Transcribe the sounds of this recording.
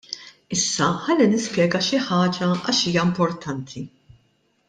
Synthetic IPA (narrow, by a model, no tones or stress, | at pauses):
ɪsːɐħɐlːinɪspjɛːɡɐʃɪħɐːd͡ʒɐɐʃiːjɐɪmpɔɾt̪ʰɐnt̪ʰi